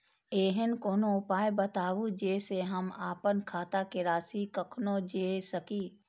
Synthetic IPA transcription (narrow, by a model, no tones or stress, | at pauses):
eːɦənkoːnoʊpaːjbət̪aːʋud͡ʒeːseɦɐmaːpənkʰaːt̪akeɾaːsikɐkʰnod͡ʒeːsəkiː